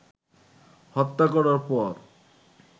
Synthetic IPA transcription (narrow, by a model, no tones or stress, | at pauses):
hɔt̪ːakɔɾaɾpɔɾ